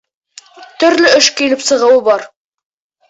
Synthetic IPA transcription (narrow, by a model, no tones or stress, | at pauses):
t̪ɵ̆ɾlɵɵʃkilɘpsɤ̆ʁɤ̆wɤbɒɾ